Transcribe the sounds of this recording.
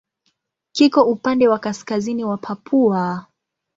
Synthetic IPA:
kikɔupandɛwakaskaziniwapʰapʰua

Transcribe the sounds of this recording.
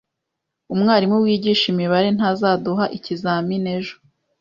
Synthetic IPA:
umŋaːɾimuwiːɟiːʃimiβaɾe̞n̥hazaːduɦaʔicizaːmine̞ʒo

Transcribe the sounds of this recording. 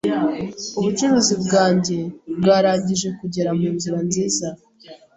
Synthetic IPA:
uβut͡ʃuɾuːzibɡaːɲɟe̞bɡaːɾaːɲɟiʒe̞kuɟe̞ɾamuːnzuɾanziːza

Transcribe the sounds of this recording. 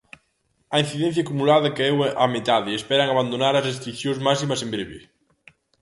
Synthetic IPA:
ain̟θiðɛn̟θjakumulaðɐkeɛwamet̪aðɪespɛɾaŋaβand̪onaɾɐzres̬t̪ɾikθjõŋzmasimɐsembɾeβḛ

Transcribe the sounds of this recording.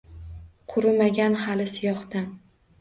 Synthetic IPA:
qʰʊɾɪmaɡʲanhalɪsɪjɒχt̪an

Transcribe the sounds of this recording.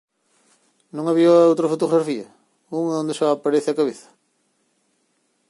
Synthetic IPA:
nõŋaβiɐowt̪ɾɐfot̪oɣɾafiɐ | uŋõnd̪eʃaapaɾeθɪɐkaβeθɐ̥

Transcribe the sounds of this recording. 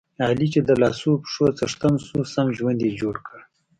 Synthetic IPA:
ɑːlit͡ʃed̪əlɑ̰ːsupʂot͡sɐʂt̪ansusamʒwand̪ed͡ʒoːɽkəɽ

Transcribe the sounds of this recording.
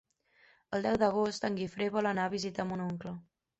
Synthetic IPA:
əlˠd̪ɛwd̪əɣ̞ost̪əŋɡifɾeβɔlənaβ̞izit̪əmunuŋklə

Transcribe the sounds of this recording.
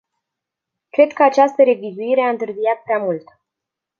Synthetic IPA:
kɾe̞d̪kəat͡ʃast̪əɾe̞vizuiɾe̞aɨnt̪ɨrzijat̪̚pɾeamult̪

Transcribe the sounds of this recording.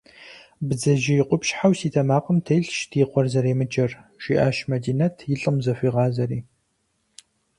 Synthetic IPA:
bɨd͡zɐʒɪjɪqʷʊpʃħawsiːtʰɐmaːqʼəmtʰɐjɬʃdʰiːqʷɔrzɐɾeːmɨd͡ʒʼɐrʒʷiʔaːʃmɐdiːnɐtʰjɪɬʼɨmzɐfʷiːʁɑːzɐɾiː

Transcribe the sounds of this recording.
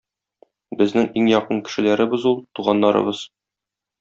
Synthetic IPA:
bɘ̆znɘŋiŋjɒqɤɴkɘ̥̆ʃɘ̆læɾɘ̆bɘzulˠt̪uʁɑnːɑɾɤ̰bɤz̥

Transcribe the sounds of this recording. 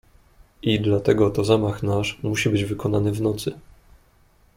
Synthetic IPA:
ʔid̪lat̪ɛɡɔt̪ɔzamaxnaʂmuɕibɘd͡ʑvɘkɔnanɘvnɔt̪sɘ

